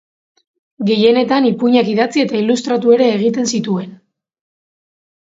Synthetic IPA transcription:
ɡe̞je̞ne̞t̪anipuɲakiðat͡sie̞t̪ailust̪ɾat̪ue̞ɾe̞ːɣ̞it̪e̞nsit̪ue̞n

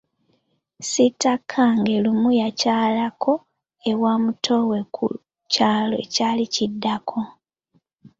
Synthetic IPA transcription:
sitakʰːaŋɡe̞lumujacaːlakʰo̞ | e̞waːmutʰo̞we̞kʰṵ | caːlo̞ḛcaːlicidːakʰo̞

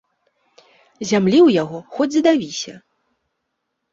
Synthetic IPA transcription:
zʲamlʲiwjaɣɔxɔd͡zʲid̪avʲisʲɐ̰

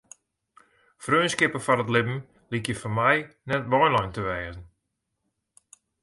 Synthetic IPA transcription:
frønskɪpəfɔɾətlɪbn̩ | likjəfɔnmɛjnɛtʋɔjnlɔjntəʋɛːzn̩

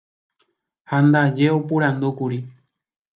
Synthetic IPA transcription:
hand̪ad͡ʒe̞opuɾãnd̪ukuɾi

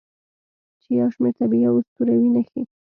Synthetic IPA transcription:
t͡ʃejawʃmeɾt̪abijawsp̪uɾawinaxi

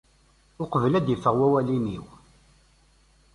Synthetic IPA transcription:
lqəvəlæd̪jəfəʁwæwæliniw

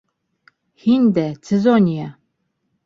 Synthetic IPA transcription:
hind̪æt͡sezonʲija

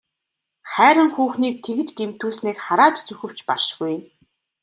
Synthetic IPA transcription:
χæːɾə̆ŋxuːxniːk̚t̪ʰeɣɘ̆t͡ɕɡem̥t̪uːsniːkχaɾaːt͡ɕt͡sɵxɘ̆w̥t͡ɕpa̰rʃɡuj̆n

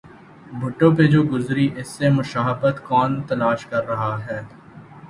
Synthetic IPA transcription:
bʱʊʈːõped͡ʒoːɡʊzɾiʔɪsːemʊʃaːɦəbət̪kɔːnt̪ɐlaːʃkɐɾːɐɦaɦɛː

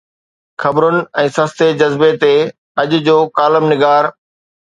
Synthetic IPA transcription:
xɐbɾʊnɪ̆ɛ̃ːsɐ̃st̪ed͡ʑɐzbet̪e | ɐʄʊd͡ʑoːkaːləmnɪɡaːɾ

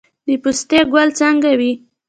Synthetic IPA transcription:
d̪əpust̪eɡwalt͡saŋɡawi

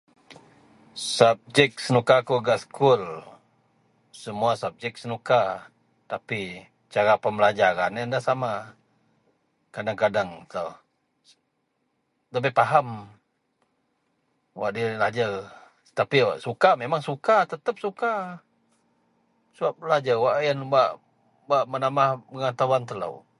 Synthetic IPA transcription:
sap̚d͡ʒɛk̚sənukakuɡaʔsə̥kʰʊl | səmuasap̚d͡ʒɛk̚sənuka | t̪api | t͡ʃaɾapəməlad͡ʒaɾanandahsama | kadaŋkadaŋt̪ə | ləbəpaɦam | waʔdilad͡ʒar | t̪apiwa̰ʔsukamemaŋsukat̪ət̪əp̚suka | səbap̚lad͡ʒarwaʔjanbaʔ | baʔmənamahbəŋat̪awant̪ələ̰w

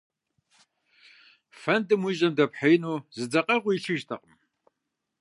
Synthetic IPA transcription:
fɐndɨmwiʑɐmdɐpħejnuːzɨd͡zɐqʼɐʁʷʊit͡ʃʰɨʒtʰɐqʼəm

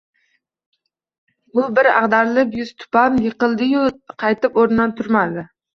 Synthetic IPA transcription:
bʊbɪɾæ̰ʁd̪ɑɾlˠɨpjyz̥t̪ʰʊ̥pɑmjeqəlˠd̪ɨjuqʰɑjt̪ɨpoɾnɨnɑnt̪ʰuɾmɑd̪ɪ

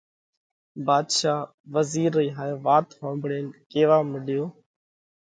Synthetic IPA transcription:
baːd̪ʃaː | ʋəziːɾːiːɦaːeːʋaːt̪hõːmbɽeːnkeːʋaːmɪɗjoː

